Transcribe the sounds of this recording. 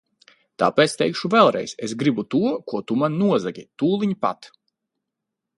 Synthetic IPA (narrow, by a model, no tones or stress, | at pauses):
t̪a̰ːpɛt̪st̪ɛjkʃuvɛlˠɾɛ̰jsesɡɾibut̪uɔkuɔt̪umannuɔzaɡʲit̪uːlˠiɲipa̰t̪